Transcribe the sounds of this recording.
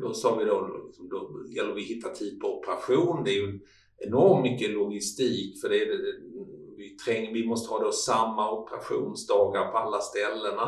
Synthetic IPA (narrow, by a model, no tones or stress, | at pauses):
d̪ɔsɔːvɪd̪oɪ̰ksɔmd̪ɔjɛlːəɾvɪhɪt̪ːat̪ʰiːpʰɔɔpəɾaɧuːnd̪ɛæɾjɵ | ɛnɔɾmt̪mʏkːəlʊɡɪst̪iːkfœɖɛːdɛɛ | vɪt̪ʰɾɛŋːəvɪmɔst̪əhɑːd̪osamːaɔpəɾa̰ɧṵːnsd̪ɑːɡaɾpʰɔalːast̪ɛlːəna